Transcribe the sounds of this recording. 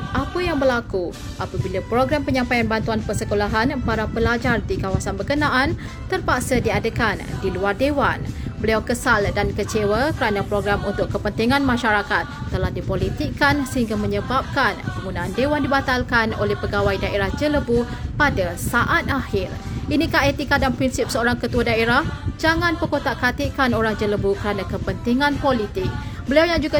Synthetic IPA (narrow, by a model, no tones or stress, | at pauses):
ʔapəjaŋbəlaku | ʔapəbilapɾoɡɾampəɲãmpajanbant̪uanpərsəkolaɦanpaɾapəlad͡ʒardikawasanbəkənãʔan | t̪ərpaksədiadəkandiluardewanbəliawkəsaldankət͡ʃewəkəɾanãpɾoɡɾamunt̪ʊʔkːəpənt̪iŋãnmãʃaɾakat̪̚ːəlahdipolit̪ikːansəɦiŋɡamə̃ɲəbap̚kanpəŋɡunaʔːndewandibat̪alkano̰lɛhpəɡawajdaʔeɾahd͡ʒələbupadasaʔat̪̚ahɪrinĩkaɦet̪ikadanpɾinsip̚səoɾaŋkət̪uadaeɾahd͡ʒaŋãnpəkot̪aʔkat̪iʔkanoɾahd͡ʒələbukəɾanakəpənt̪iŋãnpolit̪ɪk̚bəliawɲãd͡ʒuɡa